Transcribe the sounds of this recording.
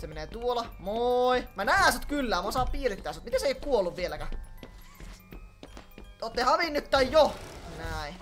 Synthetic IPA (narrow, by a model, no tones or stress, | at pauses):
semeneːt̪uolɑmoimænæːnsmot̪kylːæːmosɑːppiːrit̪ːæːsot̪mit̪eseˑijokkuolːuʋʋielækæ | ot̪ːehɑʋinːyt̪t̪ːɑijjonæi